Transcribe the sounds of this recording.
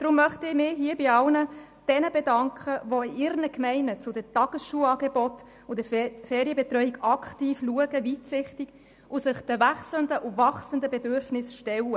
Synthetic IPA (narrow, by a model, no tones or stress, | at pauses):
d̥ɾʊmːœχtɪmɪɦiːbɪɑlnə | d̥ɛnəbedɑŋkʰχəʋoɪɾnəkmɛɪnət͡sʊdətɑɡ̥əsʃuːɑːɡebɔt | ʊdəfɛːɾjəbetɾœʏikɑkʰtiːfluəɡəviːtsɪχtiɡ̥ | ʔʊsɪχd̥əvæχsləndəʔʊvɑχsəndəbedøɾfnɪsʃtɛlə